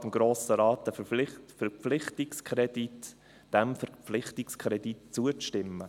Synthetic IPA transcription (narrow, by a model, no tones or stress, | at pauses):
d̥əmɡ̥ɾoːsəɾɑːtəfɛɾpflɪχtɪkskʰɾɛdit | d̥ɛmfəpflɪχtɪkskʰɾɛditt͡suət͡stɪmːə